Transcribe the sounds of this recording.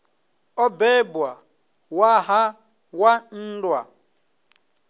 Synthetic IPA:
ɔbeba | waɦa | wan̩dwa̰

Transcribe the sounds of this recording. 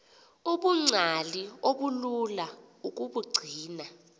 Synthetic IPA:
uɓuŋ͡ǀʱalioɓululauk̬ʼuɓuɡ͡ǀʱiːna

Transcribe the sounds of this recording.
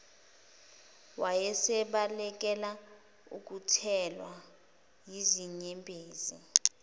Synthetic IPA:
wajɛsɛɓalɛk̬ɛla | ṵk̬utʰɛlwa | jiziɲɛmpʼeːzḭ

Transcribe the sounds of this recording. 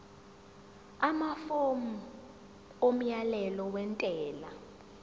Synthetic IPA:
amafomu | om̩jalɛlɔwɛntʼɛːla

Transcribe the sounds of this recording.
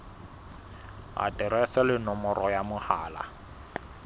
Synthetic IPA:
a̰tʼɪɾɛsɛlɪnɔmɔrɔjamʊhaːla̰

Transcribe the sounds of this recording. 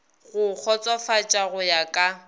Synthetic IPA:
ɣʊk͡xʰɔt͡sʼwafat͡ʃʼaɣʊjakʼa

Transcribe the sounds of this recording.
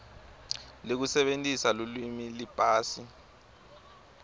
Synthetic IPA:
lik̬usɛɓentʼisalolwimilipʼaːsi

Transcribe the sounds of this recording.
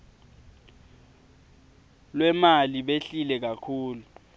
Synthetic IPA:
lwɛmaliɓeɬilɛk̬akʰuːlu

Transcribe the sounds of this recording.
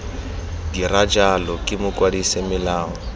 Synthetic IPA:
dirad͡ʒalɔkʼɪmʊkʼwadisemɪlaːŋɔ

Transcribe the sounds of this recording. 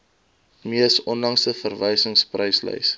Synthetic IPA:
miəsɔnlɐŋsəfərvəjsəŋsprəjslə̰js

